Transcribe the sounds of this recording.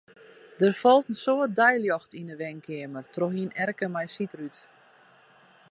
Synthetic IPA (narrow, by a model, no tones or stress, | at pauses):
d̥ərfɔlˠtən̩soət̚dɛjljɔxtinəʋɛŋkʰɪəmərtroxinɛrkəmɛjsitryt